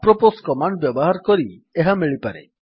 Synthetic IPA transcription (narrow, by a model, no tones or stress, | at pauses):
pɾɔposkɔmaɳɖbjɔbɔɦaɾɔkɔɾieɦamiɭipaɾḛ